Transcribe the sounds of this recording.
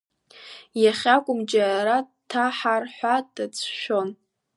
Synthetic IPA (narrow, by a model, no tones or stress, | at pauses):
jaχʲakʷʼʊmd͡ʒaɾa | tʰaħarħʷadat͡sʰʃʷᶣon